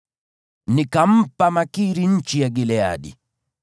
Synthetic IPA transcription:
nikam̩pamakiɾiɲ̩t͡ʃijaɡilɛa̰ɗḭ

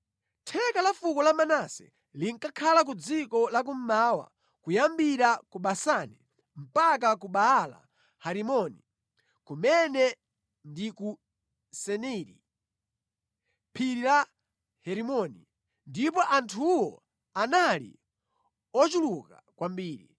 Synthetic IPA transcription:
tʰɛkalafukɔlamanasɛ̰ | liŋ̩kakʰalak̬ud͡zikɔlak̬um̩maːwa̰ | kujambiɾakuɓasani | m̩pak̬ak̬uɓaːla̰ | haɾimɔni | kumɛnɛ | ndiku | sɛnɛɾḭ | pʰiɾila | hɛɾimɔni | ndip̬ɔʔantʰuwɔ | analḭ | ɔt͡ʃuluka̰kwambiːɾḭ

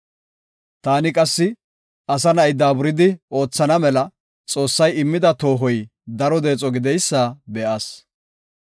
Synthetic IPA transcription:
t̪aːnɪkʼɐsːɪ | ʔɐsɐnɐjd̪aːbʊɾɪd̪ɪo̞ːt͡sːɐnɐmɛlɐ | t͡sʼo̞ːsːɐjɪmːɪd̪ɐt̪o̞ːɦɔj | d̪ɐɾɔd̪e̞ːt͡sʼɔɡɪd̪ɛjsːaːbɛʔaːs

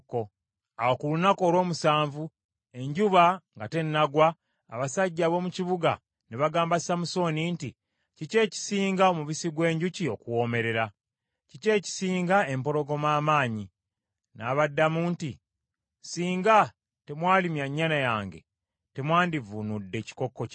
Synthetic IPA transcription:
ko | awokulunako̞ːlwo̞ːmusaːɱvu | e̞ɲɟuβaŋɡate̞nːaɡwa̰ː | βasaɟːaːβo̞ːmuciβuɡa̰ | niβaɡaːmbasamuso̞niːnti | cice̞ːci̥siːŋɡaomuβisiɡwe̞ːɲɟucio̞kuwo̞ːme̞ɾe̞ɾa | cice̞ːci̥siːŋɡae̞mpo̞lo̞ɡo̞maːmaːɲi | naːβadːamuːnti | siːŋɡa | te̞mwaːlimjaɲːanajaːŋɡe̞̰ | te̞mwaːndivunudːe̞ci̥ko̞kːo̞c

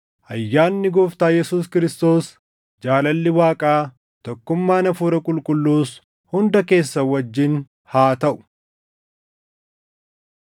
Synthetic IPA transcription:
ʔɐjːaːnːɪɡɔft̪aːjɛsuːskɪɾɪst̪o̞ːs | d͡ʒaːlɐlːɪwaːkʼaː | t̪ɔkːʊmːaːnɐfuːɾɐkʼʊlkʼʊlːuːs | hʊnd̪ɐke̞ːsːɐwɐd͡ʒːɪn | haːt̪ɐʔʊ̥

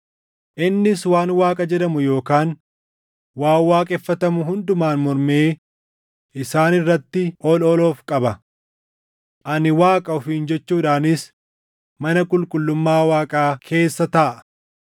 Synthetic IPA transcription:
ʔɪnːɪswaːnwaːkʼɐd͡ʒɛᶑɐmʊjo̞ːkaːn | waːwaːkʼɛfːɐt̪ɐmʊɦʊnd̪ʊmaːnmɔɾmeː | ʔɪsaːnɪrːɐt̪ːɪʔɔlɔloːfkʼɐbɐ | ʔɐnɪwaːkʼɐʊfiːnd͡ʒɛt͡ʃːuːᶑaːnɪs | mɐnɐkʼʊlkʼʊlːʊmːaːwaːkʼaːkʰe̞ːsːɐt̪ɐʔɐ

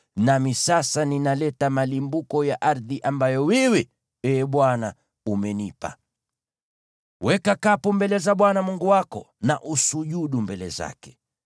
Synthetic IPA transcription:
namisasaninalɛtamalimbukɔjaʔaɾðiʔambajɔwɛwɛ | ɛːɓwana | umɛnipa̰ | wɛkakapumbɛlɛzaɓwanamuŋɡuwakɔ̰ | naʔusuʄuɗumbɛlɛza̰kɛ̥

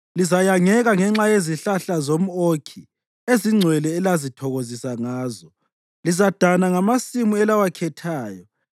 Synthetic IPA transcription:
lizajaŋɛɣaŋɛŋ͡ǁajeziɬaɬazom̩okʰi | eziŋ͡ǀʱwɛlɛːlazitʰɔɣozisaŋaːzɔ | lizad̥ʱanaŋamasimuɛlawakʰɛtʰaːjɔ

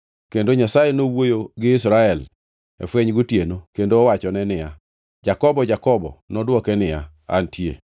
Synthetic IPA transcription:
kendoɲasajenowojoɡɪɪsɾaɛl | ɛ̰fweɲɡutjenokendoːwat͡ʃɔnɛnɪja | d͡ʒakɔbɔd͡ʒakɔbɔ̰nɔdwɔkɛnɪja̰ | a̰ntʰjḛ

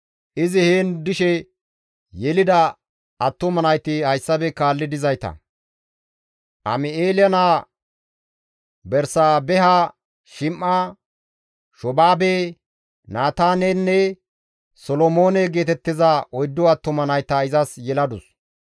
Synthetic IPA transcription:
ʔɪzɪheːnd̪ɪʃɛ | jɛlɪd̪ɐ | ʔɐt̪ːʊmɐnɐjt̪ɪhɐjsːɐbɛkaːlːɪd̪ɪzɐjt̪ɐ̰ | ʔɐ̰mɪeːlɪjɐnaː | bɛɾsaːbɛɦɐ | ʃɪmːa | ʃɔbaːbe | naːt̪aːnenːɛ | sɔlɔmoːnɛɡe̞ːt̪ɛt̪ːɪzɐʔɔjd̪ːɔɐt̪ːʊmɐnɐjt̪ɐɪzɐsjɛlɐd̪ʊs

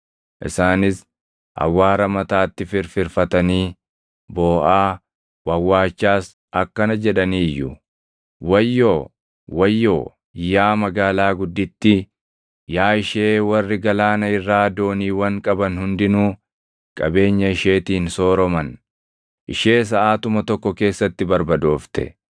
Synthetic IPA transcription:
ʔɪ̰saːnɪs | hɐ̰wːaːɾɐmɐt̪aːt̪ːɪfɪɾfɪɾfɐt̪ɐniː | boːʔaː | wɐwːaːt͡ʃːaːs | ʔɐkːɐnɐd͡ʒɛᶑɐniːjːʊ | wɐjːoː | wɐjːoː | jaːmɐɡaːlaːɡʊd̪ːɪt̪ːɪ | jaːɪʃeːwɐrːɪɡɐlaːnɐɪrːaːd̪o̞ːniːwɐŋkʼɐbɐnhʊnd̪ɪnuː | kʼɐbe̞ːɲːɐɪʃe̞ːt̪iːnso̞ːɾɔmɐn | ʔɪʃe̞ːs̬ɐʔaːt̪ʊmɐt̪ɔkːɔke̞ːsːɐt̪ːɪbɐɾbɐd̪o̞ːft̪ɛ̰

